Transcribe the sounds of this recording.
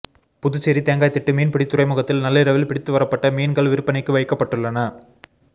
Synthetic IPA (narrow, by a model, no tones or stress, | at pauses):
pʊðʊt͡ʃːɛɾit̪eːŋɡaːjt̪ːɪʈːɯmiːnpɪɽit̪ːʊrɐɪmɯɣɐt̪ːɪlnɐlːɐɪɾɐʋɪlpɪɽɪt̪ːɯʋɐɾɐpːɐʈːɐmiːnɡɐɭʋɪɾɯpːɐnɐɪkːɯʋɐɪkːɐpːɐʈːɯɭːɐnɐ